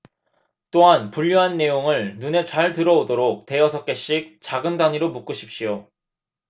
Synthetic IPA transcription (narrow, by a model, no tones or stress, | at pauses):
t͈oɦanpuʎːuɦanːe̞joŋɯɭnune̞t͡ɕaɭtɯɾʌodoɾok̚te̞ʌsʰʌk͈e̞ɕ͈ik̚t͡ɕaɡɯndaɲiɾomuk͈uɕʰi̥p̚ɕ͈ijo